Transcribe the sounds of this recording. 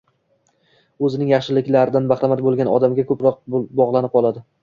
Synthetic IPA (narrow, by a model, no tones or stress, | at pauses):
ɵzɪnɪŋjɑχʃɪlɪkʲlaɾɪd̪anbaχɾamat̪̚bolˠɡʲanɒ̰d̪amɡʲakʰɵpɾɒq̚bɒʁlˠanɪp̚qɒlˠad̪ɪ